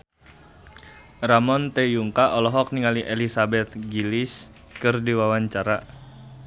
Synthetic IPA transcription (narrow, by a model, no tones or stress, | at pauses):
ramɔnt̪ejuŋkaʔɔlɔɦɔk̚niŋaliʔelisabɛt̪̚ɡilɪs | kɨrdiwawaɲt͡ʃaɾa